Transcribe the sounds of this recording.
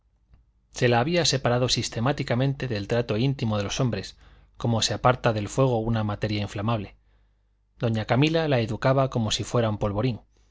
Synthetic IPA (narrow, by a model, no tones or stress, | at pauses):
se̞laːβiase̞paɾaðo̞sist̪e̞mat̪ikamẽ̞nt̪e̞ðe̞lt̪ɾat̪o̞int̪imoðe̞lo̞so̞mbɾe̞s | ko̞mo̞se̞apaɾt̪aðe̞lfwe̞ɣ̞o̞unamat̪e̞ɾjaiɱflamaβle̞ | d̪̥o̞ɲakamilalaeðukaβako̞mo̞sifwe̞ɾaumpo̞lβo̞ɾiŋ